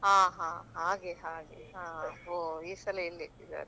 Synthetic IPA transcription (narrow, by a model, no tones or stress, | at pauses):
ɦãːɦãːɦaːɡeɦaːɡḛɦãːoiːsɐleilːiid̪a̰ːɾe